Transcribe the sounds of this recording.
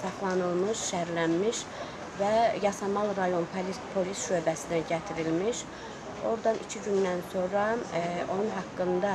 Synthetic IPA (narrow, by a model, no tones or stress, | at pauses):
sɑχlˠɑnɯlˠmɯʃʃæɾlænmiʃ | væjɑsɑmɑlˠɾɑjo̞npʰlipʰo̞lisʃø̞bæsid̪æɟæt̪ʰiɾilmiʃ | o̞ɾd̪ɑnʔicʰiɟynd̪ænso̞nɾɑo̞nunɦɑkːɯnd̪ɑ